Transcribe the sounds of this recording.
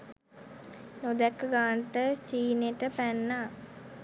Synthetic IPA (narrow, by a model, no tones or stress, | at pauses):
nod̪ɛkːɡaːɳʈət͡ʃiːneʈəpænːa